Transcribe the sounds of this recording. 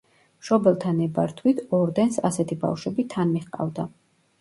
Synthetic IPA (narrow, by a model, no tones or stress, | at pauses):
mʃɔbɛlˠt̪ʰanɛbaɾt̪ʰwit̪ʰɔɾd̪ɛnsa̰sɛt̪ʰiba̰fʃwɛbit̪ʰanmiχqʼa̰vd̪a